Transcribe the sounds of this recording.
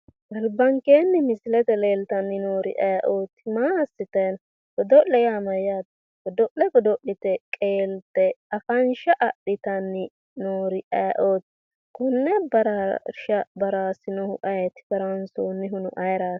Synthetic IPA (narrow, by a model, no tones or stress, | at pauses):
ɡɐlbɐŋkeːnːɪmɪsɪlɛt̪ɛleːlt̪ɐnːɪnoːɾɪʔɐʔoːt̪ːmaːsɪt̪ɛn | kɔd̪ɔlɛjaːmɐjat̪ | kɔd̪ɔʔlɛkɔd̪ɔʔɪt̪ɛkʼeːlt̪ɛɐfɐnʃɐʔɐɗɪt̪ɐnːɪ | noːɾɪʔɐjʔoːt̪ː | kɔnːɛbɐɾaʃɐbɐɾaːsɪnɔhʊ̰ʔɐjɛt̪ːɪ̥kɐɾɐnsoːnːɪɦʊnʊ̰ʔɐjɾaːs